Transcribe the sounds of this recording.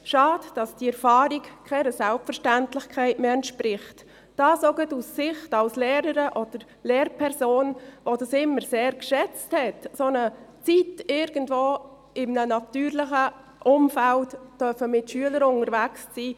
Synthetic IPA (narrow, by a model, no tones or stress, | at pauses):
ʃɑːdd̥ɑsd̥iɛɾfɑːɾikkʰɛnəsælpfəɾʃtæntlɪχkʰɛɪtmeːɛntʃpɾɪχt | d̥ɑːsoɡətusːɪχtɑlsleːɾəɾəʔɔd̥əɾ | leːɾpʰɛɾsoːnʋodɑsɪmːəɾseːɾkʃɛt͡sthɛtsonət͡sitɪɾɡ̥ən̩tvoː | ɪmnənɑtyːɾlɪχə | ʔʊmfæltd̥œfəmɪtʃyələɾʊnəɾvækst͡siː